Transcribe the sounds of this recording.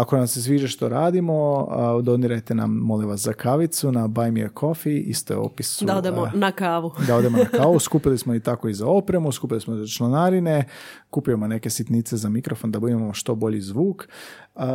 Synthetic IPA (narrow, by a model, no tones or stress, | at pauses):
akonamse̞sʋiːʒeʃt̪oɾaːd̪imo̞d̪o̞niɾajt̪e̞na̰mːoliʋaszakʰaʋit̪sunabajmieɾkʰo̞fiḭst̪o̰o̰pisuaod̪emonakaːʋud̪ao̞d̪emonakaːʋuskupilismonit̪ako̞izao̞pɾemuskupilismozat͡ʃlonaɾine | kupijomone̞ke̞sit̪nit̪se̞zamikɾofo̞nd̪abud̪imamoʃt̪o̞bo̞ʎizʋuːk